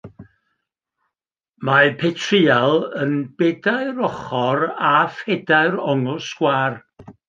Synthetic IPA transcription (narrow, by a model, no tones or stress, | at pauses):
mapʰetʰriːalˠənbedaɨɾɔχɔrafedaɨɾɔŋʊsɡ̥waːr